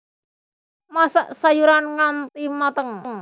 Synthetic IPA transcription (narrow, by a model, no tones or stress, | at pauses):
masaʔsajuɾanŋant̪imat̪əŋŋ